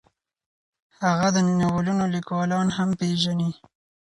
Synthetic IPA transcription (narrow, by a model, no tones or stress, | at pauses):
haɣad̪əninawalunolikwɑlɑnhampeʒani